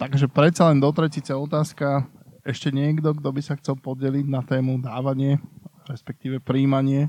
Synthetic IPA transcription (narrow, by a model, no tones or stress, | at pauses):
t̪aɡʒɛpɾɛt̪t͡salɛnd̪ɔt̪ɾɛcit͡sɛɔt̪aːska | ɛʃcɛɲɪɛɡd̪ɔɡd̪ɔbisaxt͡sɛlpɔɟɛliɟnat̪ɛːmud̪aːʋaɲɪɛɾɛspɛk̚t̪iːʋɛpɾiːmaɲɪɛ